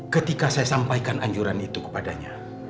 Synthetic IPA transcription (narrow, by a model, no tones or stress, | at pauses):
kət̪ikasajasampajkanʔaɲd͡ʒuɾanit̪ukə̥padaɲa̰